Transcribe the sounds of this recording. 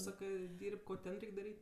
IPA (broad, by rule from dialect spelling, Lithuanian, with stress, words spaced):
ˈsɑːkɜ ˈdʲɪrʲpʲ ˈkoː ˈtʲɛn ˈrʲɛɪkʲ dɐˈrʲiːtʲ